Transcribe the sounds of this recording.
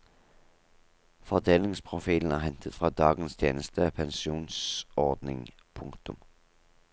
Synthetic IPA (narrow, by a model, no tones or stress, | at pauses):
fɔʁd̪eːlɪŋspʰʁʊfiːln̩æːʁhɛnt̪ʰət̪fʁɑːd̪ɑːɡənst̪ʰjeːnəst̪əpʰɛnsuːnsɔʁd̪nɪ̰ŋ | pʰʊŋkt̪ʊm